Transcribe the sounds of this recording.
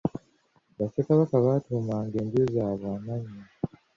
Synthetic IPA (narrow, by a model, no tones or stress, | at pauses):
βasekaβakaβatuːmaːŋɡe̞ːmbiozaːβaːmaɲːi